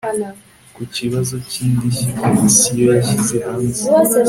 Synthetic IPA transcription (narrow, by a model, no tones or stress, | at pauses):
kuciβazo̞ciːndiʃikʰomisijojaʃizehaːnze